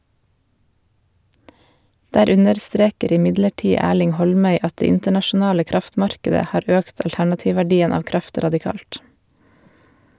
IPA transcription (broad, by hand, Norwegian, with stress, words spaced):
ˈdæːɾ ˈʉnəɾˌstɾeːkəɾ ɪˈmɪdləˌʈiː ˈæːɭɪŋ ˈhɔlˌmœʏ ˈɑt ˈdeː ˈɪntəɳɑʃʊˌnɑːlə ˈkɾɑftˌmɑɾkədə ˈhɑːɾ ˈøːkt ɑlˈtæɳɑˌtiːʋʋæˌɖiːən ˈɑːʋ ˈkɾɑft ɾɑdɪˈkɑːlt